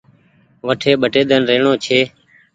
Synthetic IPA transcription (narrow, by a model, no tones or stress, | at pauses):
ʋəʈʰeːɓəʈeːd̪ənɾeːɳoːt͡ʃʰeː